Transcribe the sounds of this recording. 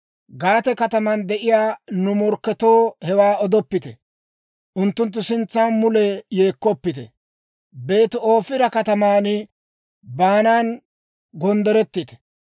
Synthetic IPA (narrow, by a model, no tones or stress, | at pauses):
ɡaːt̪ɛkɐt̪ɐmɐnd̪ɛʔɪjaːnʊmɔɾkːɛt̪o̞ːhɛwaːɔd̪ɔpːɪt̪ɛ | ʔʊnt̪ːʊnt̪̬ːʊsɪnt͡sːaːnmʊlɛjeːkːɔpːɪt̪ɛ̰ | be̞ːt̪o̞ːfɪɾɐkɐt̪ɐmaːnɪ | baːnaːn | ɡɔnd̪ɛɾɛt̪ːɪt̪ɛ̥